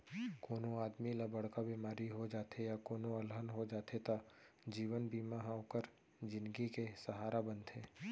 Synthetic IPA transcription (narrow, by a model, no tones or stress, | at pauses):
koːnoaːd̪miləbəɽ̤kabiːmaːɾiɦod͡ʒaːt̪ʰejakoːnõɐlɦənɦod͡ʒaːt̪ʰet̪a | d͡ʒiːʋənbiːmaɦaokəɾ | d͡ʒɪ̃nɡikesəɦaːɾabə̃nt̪ʰeː